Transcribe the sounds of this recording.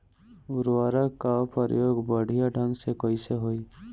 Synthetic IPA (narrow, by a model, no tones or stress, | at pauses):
ʊɾʋaːɾakːapəɾjoːɡbəɽ̤ʱijaɖʱə̃ŋɡsekɔiseɦoi